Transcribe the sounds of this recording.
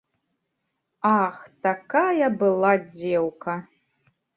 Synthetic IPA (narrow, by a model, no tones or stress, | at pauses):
axtʰakʰajabɨlˠad͡zewkʰa